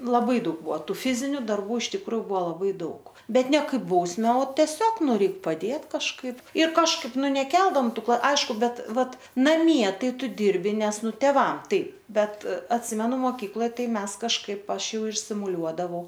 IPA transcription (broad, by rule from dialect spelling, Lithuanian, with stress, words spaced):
lˠɐˈbɐɪ ˈdɐʊk ˈbuɔ ˈtuː ˈfʲɪzʲɪnʲʊ dɐrˈbuː ɪʃ tʲɪkˈruːjʊ ˈbuɔ lˠɐˈbɐɪ ˈdɐʊk bʲɛt ˈnʲɛ ˈkɐɪp bɐʊsʲˈmʲɛ oː tʲɛˈsʲoːk ˈnʊ ˈrʲɛɪk pɐˈdʲeːt kɐʃˈkɐɪp ɪr kɐʃˈkɐɪp ˈnʊ nʲɛˈkʲɛlˠdoːm ˈtʊ klˠ ˈɐɪʃkʊ ˈbʲɛt ˈʋɐt nɐˈmʲiɛ ˈtɐɪ ˈtʊ ˈdʲɪrʲbʲɪ ˈnʲɛs ˈnʊ tʲɛˈʋɐm ˈtɐɪp ˈbʲɛt ɐtʲˈsʲɪmʲɛnʊ moːˈkʲiːklˠoːj ˈtɐɪ ˈmʲɛs kɐʃˈkɐɪp ˈɐʃ ˈjɛʊ ɪr sʲɪmʊˈlʲuɔdɐʋɐʊ